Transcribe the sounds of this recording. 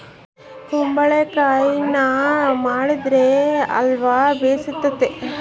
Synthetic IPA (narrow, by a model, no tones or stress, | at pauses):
t̪umbɐɭekaːjinɐmaːɽid̪ɾeɐ̰lʋaːbeːsit̪ːɐt̪ːe